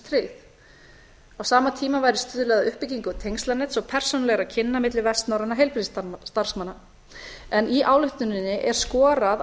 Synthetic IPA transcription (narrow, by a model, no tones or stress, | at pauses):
t̪ʰɾeθ | awsaːmat̪ʰiːmavaːjɾɪst̪ʏːðʏlɛɣðaʏhpɪciŋkʏt̪ʰejnst̪lanɛːt̪sɔwpʰɛr̥sownalɛɣaɾaðcʰɪnːamɪt̪lɪvɛst̪nawɾanaɦejlpɪɾst̪st̪aɾ̥smanːa | ɛniʔaːwlʏht̪ʏnɪnːɪʔɛɾ̥skɔːɾað